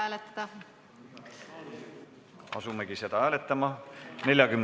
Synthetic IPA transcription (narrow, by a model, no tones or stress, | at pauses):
æːlet̪ːˑɑd̪̥ɑ | ɑsumeɡ̥ise̞d̪̥ɑæːle̞t̪ːˑɑmɑne̞lʲjɑkymn